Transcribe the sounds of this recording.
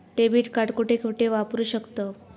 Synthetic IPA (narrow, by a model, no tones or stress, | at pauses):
ʈebiːʈkaʈkuʈekʰuʈeʋapɾuːɕəkt̪ə